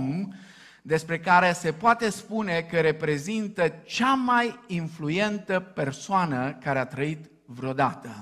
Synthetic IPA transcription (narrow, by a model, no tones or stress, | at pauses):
m | d̪e̞spɾe̞kaɾe̞se̞poat̪e̞spune̞kəɾe̞pɾe̞zint̪ət͡ʃamajinfluje̞nt̪əpe̞rsoanəkaɾeat̪ɾəit̪ | vɾo̞d̪at̪ə